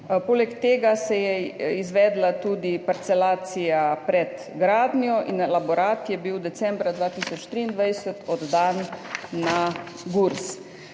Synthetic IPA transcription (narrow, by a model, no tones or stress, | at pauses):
poːlɛkt̪eːɡasɛjɛizʋɛːd̪lat̪uːd̪ipaɾt̪sɛlaːt̪sijapɾɛt̪ | ɡɾaːd̪njɔʔinlabɔɾaːt̪jɛbiwd̪ɛsɛ̃mbɾad̪ʋaːt̪isɔt͡ʃt̪ɾiːnd̪ʋajsət̪ɔd̪ːanː | a | ɡuɾs